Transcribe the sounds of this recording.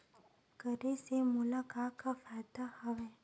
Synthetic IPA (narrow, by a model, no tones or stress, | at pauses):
kəɾesemulakakafat̪ahəʋe